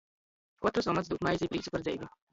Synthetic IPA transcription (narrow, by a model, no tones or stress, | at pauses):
kɔt̪ɾɔsɔmat̪sd̪uk̪majzʲipɾiːt̪supaɾd̪zʲɛjvʲi